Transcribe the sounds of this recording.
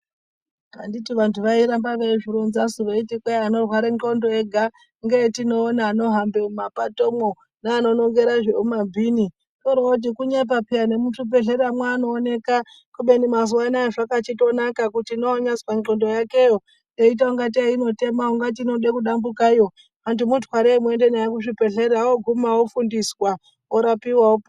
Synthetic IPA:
a̰nditiʋantʰuʋaiɾambaʋeiʐiɾonzasuʋeitikwaeano̞rwaɾeŋko̞ndo̞eɡʱa | ŋɡetino̞ːnaːno̞ɦambemumapatomwo | naːno̞no̞ŋɡe̞ɾaʐeumabʱini | torwat̬ikuɲap̬apiane̞mutupe̞ɮeɾamwaːno̞ːne̞ka | kuɓenimazuwanaoʐakat͡ʃito̞nakakutiːnoːɲaswaŋŋ͡ǃondojake̞jo | eit̬auŋɡat̬iaino̞te̞mauŋɡat̬ino̞ɗekuɗambukajo̞ | antumutwaɾemwende̞najek̬uʂipe̞ɮeɾawoɡʱumaofundiswa | oɾapiwaop

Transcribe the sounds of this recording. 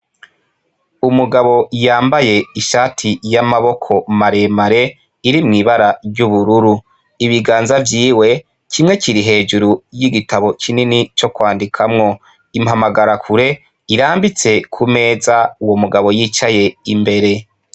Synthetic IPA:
umuɡaβo̞jaːmbaje̞iʃaːtʰijamaβo̞kʰo̞maɾe̞maɾe̞ | iɾimŋiːβaɾaɾɟuβuɾuɾu | iβiɡaːnzavjiːwe̞ | kʰimŋe̞ciɾiɦe̞ːd͡ʒuɾujiɡitaβo̞kʰininit͡ʃo̞kwaːndikʰamŋo̞ | imhamaɡaɾakʰuɾe̞ | iɾaːmbit͡se̞kʰume̞ːzauwo̞muɡaβo̞jiːt͡ʃaje̞imbe̞ɾe̞

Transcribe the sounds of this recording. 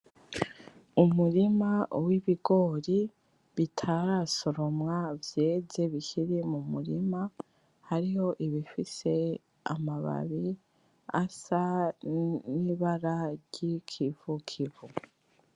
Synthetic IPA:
umuɾimawiβiɡo̞ːɾi | βitʰaɾaso̞ɾo̞mŋavje̞ːze̞βiçiɾimumuɾima | haɾiho̞ʔiβifise̞ | a̰maβa̰βi | a̰sa | niβaɾaɾɟikʰiv̥ukʰivu

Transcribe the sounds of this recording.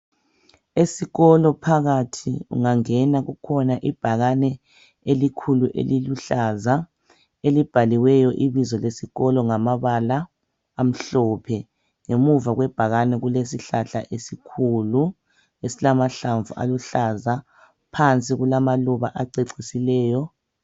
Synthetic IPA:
esiɣɔlɔpʰaɣatʰiṵŋaŋɛnaɣukʰɔnaʔib̥ʱaɣanɛ | elikʰuluʔḛliluɬaza | elib̥ʱaliwɛjɔʔiβizɔlesiɣɔlɔŋamaβalaː | m̩ɬɔpʰɛ | ŋemuvaɣwɛb̥ʱaɣanɛɣulesiɬaɬa̰ʔesikʰuːlu | esilamaɬaɱvuʔa̰luɬaza | pʰant͡sʼiɣulamaluβaʔaǀeǀisilɛːjɔ

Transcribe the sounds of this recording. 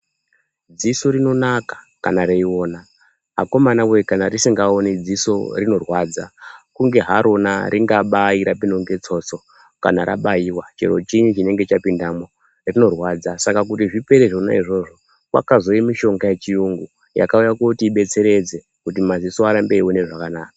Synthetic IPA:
d͡ziso̞ɾino̞nakḁ | kanaɾeiwo̞ːna | ɦa̰ko̞manawekanarisiŋɡao̞nid͡ziso̞̰rino̞rwaːd͡zakuŋɡe̞ɦaɾʔo̞na̰ɾiŋɡaɓaiɾapindoŋɡe̞t͡so̞t͡so̞ | ka̰naɾa̰ɓajiwat͡ʃe̞̰ɾo̞̰t͡ʃiɲut͡ʃine̞ŋɡe̞t͡ʃapindamo̞ | rino̞rwad͡zasakak̬utiʐipe̞ɾeʐona̰iʐo̞ʐo̞ | kwa̰kazo̞jimiʃo̞ŋɡajet͡ʃijuŋɡu | ja̰kaujakokutiːɓe̞t͡se̞ɾe̞d͡ze̞ | kutimazisoaɾambeiwone̞ʐakanaːkḁ

